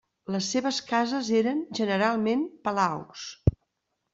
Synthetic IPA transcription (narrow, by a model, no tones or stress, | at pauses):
ləsːeβəskazəzeɾənʒənəɾalˠmempəlaws